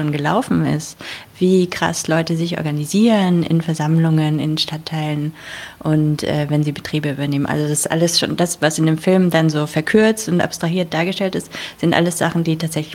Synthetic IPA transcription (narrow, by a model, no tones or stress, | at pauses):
oːnɡəla̰ʊfn̩ɪ̰stv̥iːkʁ̥a̰slɔʏtəzɪçʔɔ̰ɐɡaniziːʁənʔɪ̰nfɛɐzamlʊŋənɪ̰nʃtatʰːaɪlənʔʊntʔɛ̰ːvɛnziːbətʁ̥iːbəʔyːbɐneːmənʔa̰lzodassʔa̰ləsʃo̰ːndasv̥asɪndeːmfɪlmdanzoːfɛɐkʰʏɐt͡stʊntʔa̰pstʁ̥aɦiːɐt̚d̥aːɐɡəʃtɛltɪstz̥ɪntʔa̰ləsz̥a̰χn̩diːtʰaːtz̥ɛçlɪç